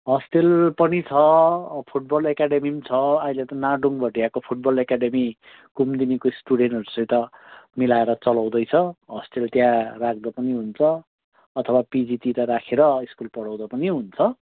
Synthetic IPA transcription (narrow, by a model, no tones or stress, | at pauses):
ɦʌsʈelpʌnit͡sʰʌpʰuʈ̚bʌlekaɖemimt͡sʰʌailet̪ʌnaɖuŋbʱʌʈijakopʰuʈ̚bʌlekaɖemi | kumd̪inikoisʈuɽenʈʌɾusʌ̃j̃t̪ʌmilaeɾʌt͡sʌlaw̃d̪ʌjt͡sʰʌɦʌsʈelt̪jãrak̚ʰd̪ʌpʌniɦunt͡sʰʌː | t̪ʰʌwapid͡zit̪iɾʌɾakʰeɾʌiskulpʌɽaw̃d̪ʌpʌniɦunt͡sʰʌ